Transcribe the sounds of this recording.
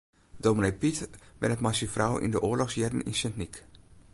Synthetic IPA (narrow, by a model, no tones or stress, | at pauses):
dominejpitʋɛnətmasifrɔwḭndəʔoːlɔxsjɛdən̩ḭnsɛntnik